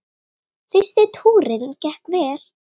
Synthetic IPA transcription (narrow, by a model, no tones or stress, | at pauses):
fɪst̪ɪt̪ʰuːɾɪncɛhkvɛːɾ̥